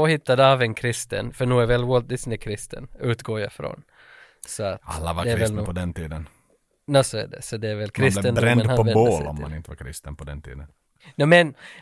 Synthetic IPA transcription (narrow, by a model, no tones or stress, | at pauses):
ɔhɪt̪ːad̪əavɛnkʰɾɪst̪ə̰nfœɳuːæɾvɛlwɔlt̪̚d̪ɪsnɪkʰɾɪst̪ʰə̰nʉ̟ːt̪ɡoːja̰fɾo̰n | sɔat̪alːavaɾdɛɛɾɪvɛlapʰɔd̪ɛnt̪ʰiːd̪ən | j̪osoæ̰ɖɛ̰sɔd̪ɛæɾvɛlkʰɾɪsslɛt̪ənd̪ɾɛnənhapɔɛbolɔ̰mːa̰nɪnt̪əvaɾkʰɾɪ̰st̪ənpʰɔd̪ɛ̰nt̪ʰḭːd̪ən | nɛmɛn